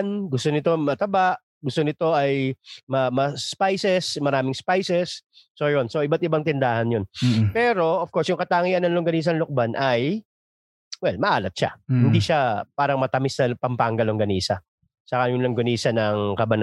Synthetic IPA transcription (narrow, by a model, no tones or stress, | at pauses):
nɡʊst̪onɪt̪o̞mɐt̪ɐbaʔ | ɡʊst̪onɪt̪o̞ʔɐjmɐmɐspajsɛsmɐɾaːmɪŋspajsɛsːojo̞nso̞ʔɪbat̪̚ɪbaŋt̪ɪnd̪aːhɐnjonpɛːɾo̞ʔofkoɹsjʊŋkɐt̪aːŋiɐnːɐŋlʊŋɡɐniːs̬ɐŋlok̚banʔɐj | wɛlmɐʔaːlɐt̪̚ʃa̰hɪnd̪iʃapaːɾɐŋmɐt̪ɐmɪsnɐpɐmpaːŋɡɐloŋɡɐniːsɐ | sɐkajʊnlɐŋɡʊniːsɐnɐŋkɐbɐn